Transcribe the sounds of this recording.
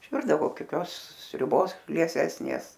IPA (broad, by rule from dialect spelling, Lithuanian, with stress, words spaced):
ɪʃʲˈʋʲɪrdɐʋoː koːˈkʲoːs sʲrʲʊˈboːs lʲiɛˈsʲæːsʲnʲeːs